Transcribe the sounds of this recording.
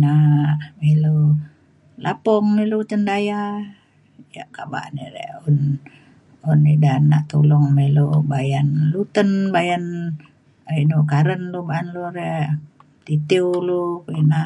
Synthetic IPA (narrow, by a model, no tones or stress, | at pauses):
namilu | lʔapɔŋmilut̪əndaja | ja̰ʔkaba̰ʔnḭɾɛ̰ʔun | unːidana̰ʔt̪uluŋmilubajanlut̪ənbajan | rinukaɾənlubaʔnluɾɛʔ | t̪it̪iwulukina